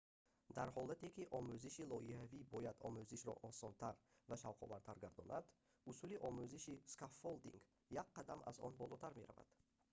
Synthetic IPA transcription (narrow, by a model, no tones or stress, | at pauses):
d̪aɾhɔlat̪ekiʔɔmuziʃilɔihavibɔjad̪ɔ̰muziʃɾɔ̰ʔɔsɔnt̪ʰaɾvaʃavqʰɔ̰vaɾt̪ʰaɾɡaɾd̪ɔna̰d̪ | usuliʔɔmuziʃiskafːold̪ḭŋɡ | jakqːad̪amʔa̰zɔ̰nbɔlɔt̪ʰaɾme̞ɾa̰va̰d̪̥